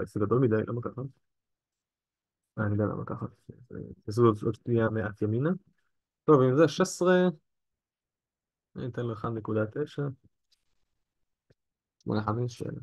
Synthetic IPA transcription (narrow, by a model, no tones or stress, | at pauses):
z̥eɡad̪olmid̪ajlʔa̰makaxa | ʔamid̪ajla̰ma̰ka̰χaḛzḛas̬uooʃt̪ijameʔat̪jamina | t̪ovinzeʃesʁe | a̰ḭnt̪enlexannekud̪at̪eʃa | ʃmo̰naħamiʃḛla